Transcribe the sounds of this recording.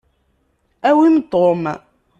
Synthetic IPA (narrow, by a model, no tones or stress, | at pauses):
æwimt̪om